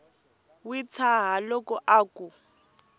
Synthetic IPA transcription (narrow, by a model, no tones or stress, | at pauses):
wit͡sʰaɦalɔkɔʔaːku